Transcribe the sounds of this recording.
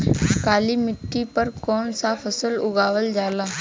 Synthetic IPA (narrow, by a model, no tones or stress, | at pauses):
kaːlimɪʈːipəɾkɔːnsapʰəsəlʊɡaːʋəld͡ʒaːlaː